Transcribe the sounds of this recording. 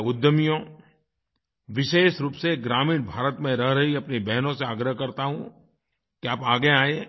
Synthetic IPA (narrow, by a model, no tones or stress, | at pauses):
ʊd̪jəmijõ | ʋɪʃeːʃɾuːpseɡɾaːmiːnbʱaːɾət̪mẽɾɐɦɾɐɦiɐpnebɛɦnõseaːɡɾəɦkɐɾt̪aɦũ | kiaːpaːɡeaːe